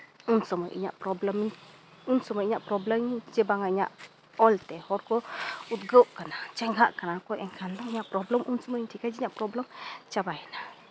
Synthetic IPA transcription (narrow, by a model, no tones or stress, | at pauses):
unsɔmɔjʔḭɲa̰ʔpɾɔbləm | unsɔmɔjiɲaʔpɾɔbləmd͡ʒɛbaŋaiɲa̰ʔ | ɔlt̪ɛhɔɾkɔut̪̚ɡəwʔkanat͡ʃɛŋɡʱaʔkanakɔjʔɛŋkʰanlɔŋiɲaʔpɾɔbləmʔunsɔmɔjɲtʰikajd͡ʒɛɲaʔpɾɔbləmt͡ʃabajna